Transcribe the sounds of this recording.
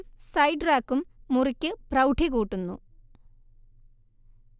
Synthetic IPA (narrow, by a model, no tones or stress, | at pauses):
sɐjɖraːkːumːurikʲːɨprɐwʈʰiɣuːʈːunːṵ